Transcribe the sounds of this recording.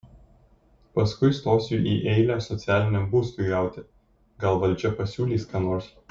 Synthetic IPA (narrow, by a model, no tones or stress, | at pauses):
pɐskʊɪst̪oːsʲuʔiːʔɛɪlʲæːsɔt̪sʲæːlʲɪnʲɛmbuːst̪ʊɡɑˑʊt̪ʲɪ | ɡɐlˠʋɐlʲd͡ʒʲɛpɐsʲuːlʲiːskɑːnoːɾs